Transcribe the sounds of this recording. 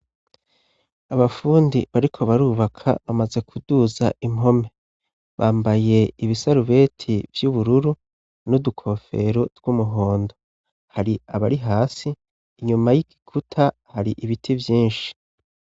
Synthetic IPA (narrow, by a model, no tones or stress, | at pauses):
aβafuːndiβaɾikʰo̞βaɾuːβakʰa̰βamaze̞kʰuduza̰ʔimo̞me̞ | βaːmbaje̞iβisaɾuβe̞ːtʰivjuβuɾuɾu | nudukʰo̞fe̞ɾoɾɡ̥umuɦo̞ːndo | haɾiaβaɾiɦaːsiː | ɲumajiki̥kʰutʰa | haɾiʔiβitʰivjiːnʃi̥